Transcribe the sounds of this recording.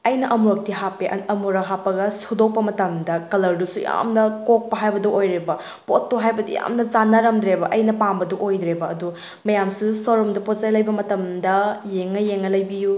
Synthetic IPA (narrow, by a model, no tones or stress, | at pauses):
ɐjnɐʔɐmuɾɐk̚tiɦapːeʔɐ̰nɐmuɾɐɦapːɐɡɐsudow̚pɐmɐtɐmdɐkɐlɐɾdusuja̰mnɐkok̚pɐɦajbɐdɐʔojɾebɐ | potːuɦajbɐdṵja̰mnɐzanːɐɾɐmd̪ɾebɐʔɐjnɐpambɐduʔojdɾebɐːdu | mɐjamsusoɾɔmdɐpozajlɐjbɐmɐtɐmdɐjeŋːɐjeŋːɐlɐjbiju